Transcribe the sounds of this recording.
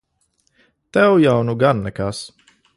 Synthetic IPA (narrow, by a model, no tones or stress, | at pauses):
t̪ɛwjawnuɡanːɛkas